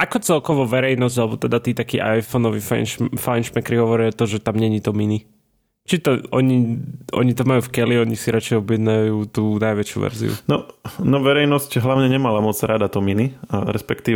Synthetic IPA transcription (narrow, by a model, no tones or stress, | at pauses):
ʔakɔt͡sɛlkɔʋɔʋɛɾɛjnɔzɟalɛbɔt̪ɛd̪at̪iːt̪akiːʔajfɔnɔʋiffajnʃmɛkɾiɦɔʋɔɾɪat̪ɔʒɛt̪amɲɛɲit̪ɔmini | t͡ʃit̪ɔɔɲiɔ̰ɲit̪ɔmajuːfkɛliɔɲisiɾat͡ʃɛjɔbjɛd̪najuːt̪uːnajʋɛt͡ʃjṵʋɛ̰ɾzḭṵnɔnɔʋɛɾɛjnɔscɦlaʊɲɛɲɛmalamɔd͡zɾad̪at̪ɔminiɾɛ̰spɛkt̪iː